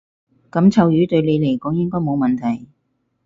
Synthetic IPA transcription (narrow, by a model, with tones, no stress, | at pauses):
kɐ˨˥mt͡sʰɐ˨˧wjyː˨˥t̪ɵ˧ɥle˨˧jle˨jkɔː˨˥ŋjɪ˥ŋkɔː˥jmo˨˧wmɐ˨nt̪ʰɐ˨˩j